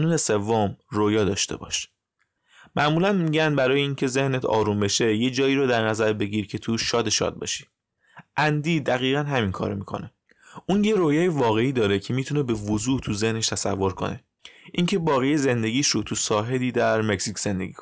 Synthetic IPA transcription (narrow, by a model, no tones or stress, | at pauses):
nuːnese̞vːomroːjɒːd̪ɒːʃt̪e̞̰bɒ̰ːʃ | mæʔmuːlænmiɟænd̪bæɾɒːjeincʰe̞ze̞hnet̪ʰɒ̰ːɾumbe̞ʃe̞je̞d͡ʒɒːiːɾod̪æɾnæzæɾbe̞ɟiɾcʰe̞t̪ʰuʃʃɒːd̪e̞ʃɒ̰d̪̚bɒ̰ːʃi̥ | ʔænd̪iːd̪æɣiːɣænɦæminkʰɒ̰ːɾomiːkʰo̞̰ne | ʔuːnjeɾoːjɒːjevɒːɣe̞iːd̪ɒːɾecʰe̞miːt̪ʰune̞be̞vozuːt̪ʰuzehne̞ʃt̪ʰæsæ̰vːo̞ɾkʰo̞̰ne̞̰ | ʔiŋcʰe̞bɒːɣejeze̞nd̪e̞ɟiːʃɾot̪ʰusɒːɦe̞d̪iːd̪æɾmecsicʰz̥e̞nd̪eɡiːkʰo